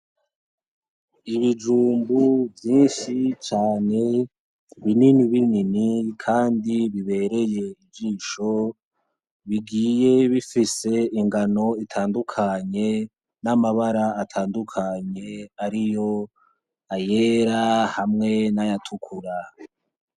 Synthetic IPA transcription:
iβid͡ʒuːmbuvjiːnʃit͡ʃaːne̞ | βininiβininikʰaːndiβiβe̞ɾe̞je̞ivd͡ʒiːʃo̞ | βiɡiːje̞βifise̞iŋɡano̞itʰaːndukʰaɲe̞ | namaβaɾaːtʰaːndukʰaɲe̞aɾijo̞ | aje̞ɾahamŋe̞najatʰukʰuɾa

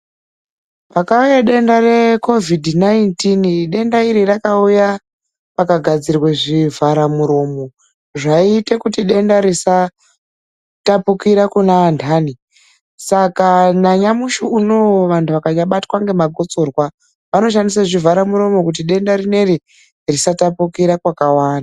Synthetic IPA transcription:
pakaujaɗe̞ndare̞ko̞vidʱnaintinɗe̞ndaiɾirakauja | pakaɡʱad͡zirweʐivaɾamuɾo̞mo̞ | ʐaite̞kutiɗe̞ndaɾisa | tapukiɾakunaːndʰaːni | sakanaɲamuʃuuno̞ʋantʰuʋakaɲaɓatwaŋɡe̞maɡʱo̞t͡sorwa | ʋano̞ʃ̬andisaʐivʱaɾamuɾo̞mo̞kut̬iɗe̞ndaɾine̞ɾi | risatapukiɾakwakawaːnda

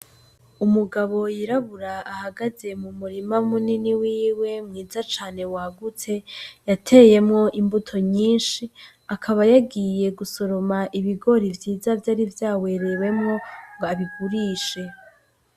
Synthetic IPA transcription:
umuɡaβo̞jiɾaβuɾaːhaɡaze̞mumuɾimamuniniwiːwe̞mŋiːzat͡ʃaːne̞waɡute̞jatʰe̞je̞mŋo̞ʔimbutʰo̞ɲiːnʃi | akʰaβajaɡije̞ɡuso̞ɾo̞maʔiβiɡo̞ɾivjiːzavjaːɾivjaːwe̞ɾewe̞mŋo̞ŋɡoaβiɡuɾiːʃe̞

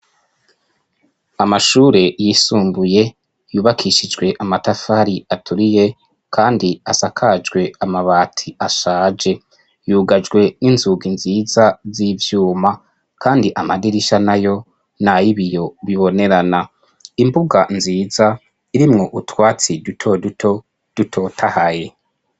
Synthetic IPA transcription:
amaʃuːɾe̞jisuːmbuje̞ | juːβakʰiʃid͡ʒɡwe̞ʔamatafaɾiatʰuɾije̞ | kʰaːndiasakʰad͡ʒɡwe̞amaβaːtʰiaʃaːd͡ʒe̞ | juːɡad͡ʒɡwe̞ninzuɡinziːzazivjuːma | kʰaːndiʔamadiɾiʃanajo̞ | najiβijo̞βiβo̞ne̞ɾana | imbuɡanziːza | iɾimŋo̞ʔutwaːt͡sidutʰodutʰo | d̥utʰo̞tʰahaje̞

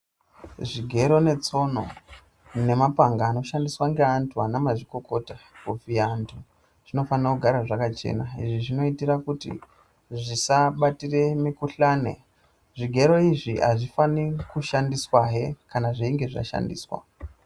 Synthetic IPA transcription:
ʐiɡʱe̞ɾo̞ne̞t͡so̞no̞̰ | ne̞mapaŋɡaːno̞ʃandiswaŋɡe̞antʰuanamaʐiko̞ko̞takuviantʰu | ʐ̥ino̞fanirakuɡʱaɾaʐakat͡ʃḛnaḭʐiʐino̞itirakutḭ | ʐisaɓatire̞mikuɬaːne̞̰ | ʐiɡʱe̞ɾo̞iʐiɦa̰ʐifanikuʃandiswaɦekanaʐeiŋɡe̞ʐa̰ʃa̰ndḭːswa̰

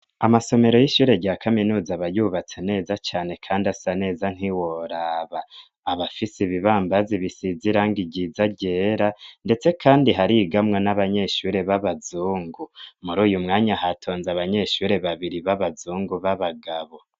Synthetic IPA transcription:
amaso̞me̞ɾo̞jiʃuːɾe̞ɟaːkʰaminuːzaβajuːβat͡sene̞ːzat͡ʃaːne̞kʰaːndasane̞ːzan̥hiwoɾaβaː | βafisiβiβaːmbaziβisiziɾaŋɡiɟizaɟeːɾande̞t͡se̞kʰaːndiɦaɾiɡamŋanaβaɲe̞ʃuɾe̞βaβazuːŋɡumuɾuːjumŋaːɲahatʰo̞ːnzaβaɲe̞ʃuɾe̞βaβiɾiβaβazuːŋɡuβaβaɡaβo̞

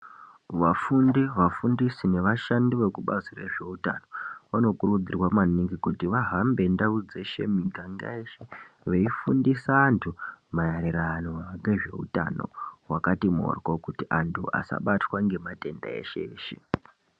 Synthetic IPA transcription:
ʋafundiʋafundisine̞ʋaʃandiʋe̞kuɓazire̞̰ʐe̞uta̰no̞ʋano̞kuɾrud͡zirwamaniŋɡikutiʋaɦambe̞ndaud͡ze̞ʃe̞̰miɡʱaŋɡa̰eʃe̞ | ʋeifundisaːntʰumajaɾeɾanoaaŋɡeʐe̞̰ṵta̰no̞̰wakatimo̰rɡokutiʔantʰṵa̰sa̰ɓatwaŋɡe̞mate̞nda̰e̞̰ʃeeːʃe

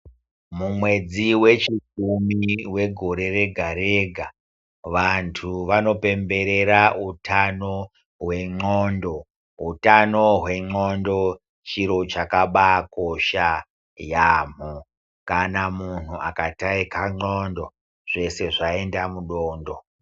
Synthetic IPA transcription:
mumwe̞d͡ziwe̞t͡ʃik̚umiwe̞ɡʱo̞ɾe̞re̞ɡʱaɾeɡʱa | ʋantʰuʋano̞pe̞mbe̞ɾe̞ɾautʰano̞ | ɦwe̞ŋ͡ǃoːndo̞ | utano̞ɦwe̞ŋ͡ǃondo̞ | t͡ʃiɾo̞t͡ʃakaɓako̞ʃa | jaːm̤u | kanamun̤uakataikaŋ͡ǃondo̞ | ʐ̥e̞se̞ʐae̞ndamuɗoːndo̞

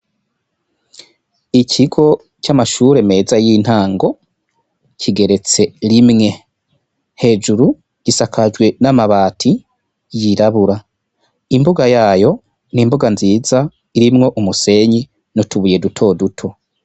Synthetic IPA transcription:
icʰiɡo̞ | camaʃuɾe̞me̞ːzajiːn̥haːŋɡo̞ | cʰiɡe̞ɾe̞t͡se̞ɾimŋe̞ | he̞ːd͡ʒuɾu | ɟ̥isakʰad͡ʒɡwe̞namaβaːtʰi | jiɾaβuɾa | imbuɡajaːjo̞ | nimbuɡanziːza | iɾimŋo̞ʔumuse̞ɲi | notʰuβuje̞dutʰo̞dutʰo̞

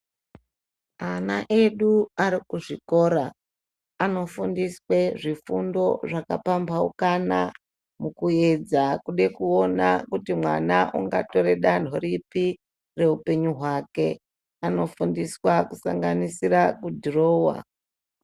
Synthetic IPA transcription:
anaʔe̞ɗuaɾikuʐiko̞ːɾaː | no̞fundisweʐifundo̞ʐakapambaukana | mukued͡zakuɗekuo̞nakutimwanaʔuŋɡato̞ɾe̞ɗan̤oɾipi | re̞upe̞ɲuɦwake̞ | ano̞fundiswakusaŋɡanisiɾakudʱiro̞ːwa̰

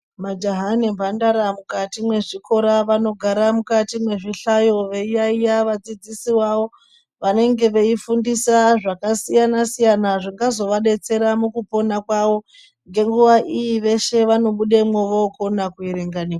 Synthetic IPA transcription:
mad͡ʒaɦanemvʱandaɾamukatimwe̞ʐikʰo̞ɾaʋano̞ɡʱaɾamukatimwe̞ʐiɬajo̞ʋe̞ijaijaʋad͡zid͡zisiwawo̞ | ʋane̞ŋɡe̞ʋe̞ifundisaʐakasijanasijanaʐiŋɡazo̞ʋaɗe̞t͡se̞ɾamukupo̞nakwaʋo̞ | ŋɡe̞ŋɡuʋaʔijiʋe̞ʃe̞ʋano̞ɓuɗemweʋokonakuiɾeŋɡanikwa

